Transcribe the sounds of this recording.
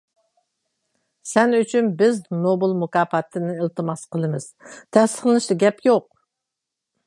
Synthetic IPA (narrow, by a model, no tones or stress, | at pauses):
sɛnyt͡ʃʰynbɪznobɨlˠmukɑːfɑt̪ʰːɨnɪɪlt̪ʰɨmɑsqəlˠɨmɨz̥t̪ʰɛst̪ə̥χlˠɨnɨʃt̪ɨɡʲɛpjoq̚